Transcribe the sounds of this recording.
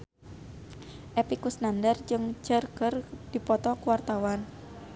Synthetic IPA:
ʔepikusnandərd͡ʒɨŋd͡ʒərɡərd̥ipɔt̪ɔkuwart̪awan

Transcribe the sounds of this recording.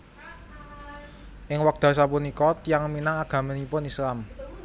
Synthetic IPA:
ʔɪŋwak̚d̪̥a̤s̬apunikɔt̪jaŋminaŋaɡ̥a̤mənipʊnislam

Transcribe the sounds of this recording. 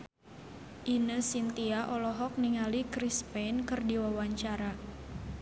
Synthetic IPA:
ʔinəsint̪iaʔɔlɔɦɔk̚niŋalikɾispɛnkɨrdiwawaɲt͡ʃaɾa

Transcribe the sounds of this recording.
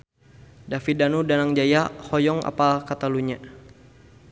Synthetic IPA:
dafidanudanaŋd͡ʒajahɔjɔŋa̰palkat̪aluɲa

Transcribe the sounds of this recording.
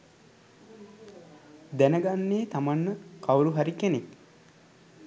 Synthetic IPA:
d̪ænəɡanːeːt̪amanːəkawɾuɦaɾikenek

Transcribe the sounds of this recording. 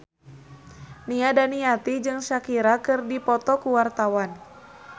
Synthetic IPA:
niadaniat̪id͡ʒɨŋʃakiɾakɨrdipɔt̪ɔkuwart̪awan

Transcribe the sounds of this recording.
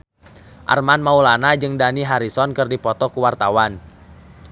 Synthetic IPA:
ʔa̰rmanmaulanad͡ʒɨŋdaniɦaɾisɔnkɨrdipɔt̪ɔkuwart̪awan

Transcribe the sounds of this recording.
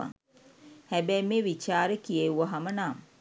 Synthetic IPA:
a̰ | hæbɛjmeːʋit͡ʃaːɾekijeuʋɐɦamənaːm

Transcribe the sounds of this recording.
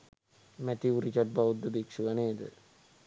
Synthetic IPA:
mɛt̪iuɾit͡ʃaʈ̚baʋud̪ːəbikʂuʋɐneːd̪ə̰

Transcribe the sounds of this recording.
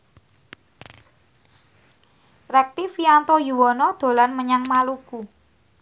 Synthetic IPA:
rɛk̚t̪ifiant̪ɔjuwɔnɔd̪̥o̤lanməɲaŋmaluku

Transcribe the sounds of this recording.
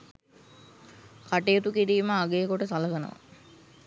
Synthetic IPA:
kaʈejot̪ukiɾiːməaɡeːkoʈəsaləɡənə̰ʋa̰

